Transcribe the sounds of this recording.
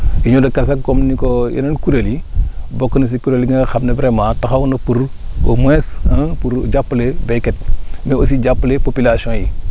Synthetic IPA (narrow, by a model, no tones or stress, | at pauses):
iɲodakas̬akkomnikojḭnɐnkuɾelibokːənis̬ikuɾeliŋaxamnebɾemataxawunopuɾ | omwesãpuɾd͡ʒapːulebeket̚meosid͡ʒapːlepopilasõji